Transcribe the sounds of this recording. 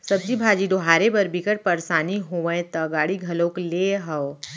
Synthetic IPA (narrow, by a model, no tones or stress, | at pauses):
sɐb̚d͡ʒibʱaːd͡ʒiɖoɦaːɾebɐɾbikəɽpɐɾsaːniɦoəẽt̪ɐɡaːɽiɡʱɐlõːkleːɦɐo